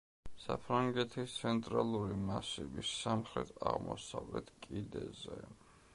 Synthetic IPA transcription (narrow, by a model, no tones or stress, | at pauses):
sapʰɾaŋɡɛt̪ʰist̪sʰɛnt̪ʼɾalˠuɾimasibisːamχɾɛt̪ʰaʁmɔsavlɛt̪ʰkʼid̪ɛzɛ